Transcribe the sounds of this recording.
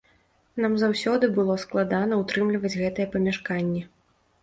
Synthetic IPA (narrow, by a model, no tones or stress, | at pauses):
namzawsʲɔd̪ɨbɨlˠɔsklˠad̪an̪ɐut̪ɾɨmlʲivɐd͡zʲɣɛt̪ɨjɛpɐmʲaʂkanʲːɛ